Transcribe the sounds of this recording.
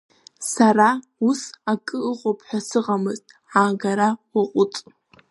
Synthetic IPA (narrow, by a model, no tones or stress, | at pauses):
saɾa | usakʼɨːqʼopʰħʷᶣasɨʁamɨztʼ | aɡaɾawaqʷʼʊt͡sʼ